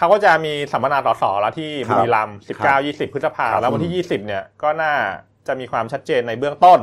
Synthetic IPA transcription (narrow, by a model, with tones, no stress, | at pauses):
kʰa˦˥wkɔː˥˩t͡ɕa˨˩miː˧sa˩˦mpa˧naː˧sɔː˩˦sɔ̰ː˩˦la˧˦˥t̪ʰiː˥˩bu˧ɾi˧la˧msi˨˩kaː˥˩wjiː˥˩si˨˩pʰːɯ˦˥t̪̚sa˧pʰaː˧lɛ˦˥wa˧ni˥˩jiː˥˩si˨˩p̚ni˥˩ɐkɔː˥˩naː˥˩ | t͡ɕa˨˩ʔmiː˧kʰwaː˧mt͡ɕʰa˦˥t̪̚t͡ɕeː˧nːa˧jbɯ˥˩əŋt̪o˥˩n